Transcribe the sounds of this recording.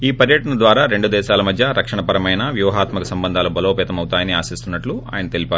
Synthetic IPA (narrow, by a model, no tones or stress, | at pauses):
iːpɐɾjɐʈɐɳɐd̪ʋaːɾaːɾe̞ɳɖud̪ɛːʃaːlɐmɐd̪ʱjɐɾɐkʂɐɳɐpɐɾɐmɐjnɐʋjuːɦaːt̪mɐkɐsɐmbɐnd̪ʱaːlɐbɐloːpɛːt̪ɐmɐwut̪aːjɐniaːsist̪unːɐʈlua̰ːjɐnɐt̪elipaːɾu